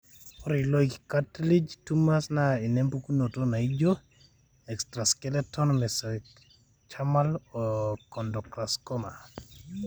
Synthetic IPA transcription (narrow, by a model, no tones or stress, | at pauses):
ɔɾiloikkatlid͡ʒtumasnainɛmpukunotonaid͡ʒo | ɛkstɾaskɛlɛtɔnmɛsɛ | t͡ʃamalokɔndɔkɾaskɔma